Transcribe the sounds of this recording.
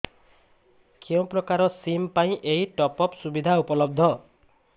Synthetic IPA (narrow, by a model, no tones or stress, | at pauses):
kew̃pɾɔkaɾɔsimpaĩʔejʈɔpɔpsubid̪ʱaupɔlɔb̚d̪ʱɔ